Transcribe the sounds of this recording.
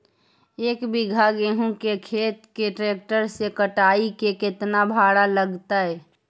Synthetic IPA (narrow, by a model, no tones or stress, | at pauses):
eːkbɪɡʱaɡeɦũkekʰeːt̪keʈɾeːk̚ʈəɾsekəʈaːikekɪt̪nabʱaːɽaləɡt̪aɦɛː